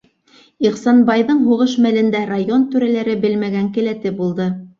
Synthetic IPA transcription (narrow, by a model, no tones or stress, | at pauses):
iqsɑnbɑjðɤɴɦuʁɤʃmælɘ̆nd̪ærajont̪ʉɾælæɾɘbɘlmæɡæŋkɘ̆læt̪ɘbulˠd̪ɤ